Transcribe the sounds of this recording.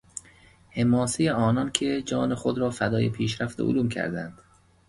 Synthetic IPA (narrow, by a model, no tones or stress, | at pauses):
hemɒːsejeɒːnɒnkʰed͡ʒɒːnexod̪ɾɒːfæd̪ɒːjepʰiːʃɾæft̪eʔo̰luːmcʰæ̰ɾd̪æ̰nd̪̥